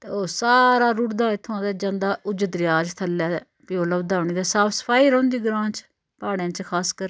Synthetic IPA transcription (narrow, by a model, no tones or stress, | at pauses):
t̪eoːsaːɾaːɾuʈd̪ãːɪt̪ʰːõãːd̪aːd͡ʒãːnd̪aːʔʊd͡ʒəd̪ɾɪjaːd͡ʒt̪ʰəlaː | pioːləʋd̪aːʋɳiːd̪aːsaːpʰsə̥pʰaːiːɾõːnd̪iːɡɾãːt͡ʃ | paːɽjãːt͡ʃkʰaːskəɾ